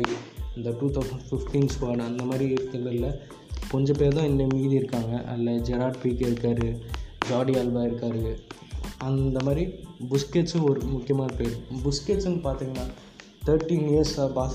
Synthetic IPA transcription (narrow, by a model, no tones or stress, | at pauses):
ɐnd̪ɐʈuːt̪ʰɐʊsɐɳɖfɪfʈiːnsʋɐnɐnd̪ɐmaːd̪ɾiɪɾt̪ːɐlːɐɪlːɐ | kɔɲd͡ʒɐ̃peːɾt̪ãːɪnːɐmiːðiɪɾɯkːaːŋɡɐʔɐ̰lːɐd͡ʒɛɾaːɖpiːkɐɪɾɯkːaːɾɯd͡ʒaːɖialbaːɪɾɯkːaːɾɯ | ɐnd̪ɐmaːd̪ɾibʊskeːʈsɔɾɯmʊkːɪjɐmaːnɐpeːɾɯbʊskeːsɐnɐpaːɾt̪iːŋɡɐnːaː | t̪ʰɐɾʈːiːniɐɾsabaːs